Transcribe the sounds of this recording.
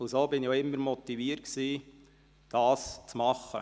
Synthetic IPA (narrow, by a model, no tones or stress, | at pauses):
ʊsoːbɪnijoɪmːəɾmɔt̪iviːəɾtksiː | d̥ɑːst͡smɑχːə̰